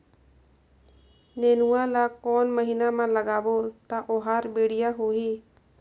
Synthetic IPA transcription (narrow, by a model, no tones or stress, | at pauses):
nɛnuwalakɔːnməɦinamãləɡaːbot̪aʔɔɦaɾbeːɽijaɦoɦiː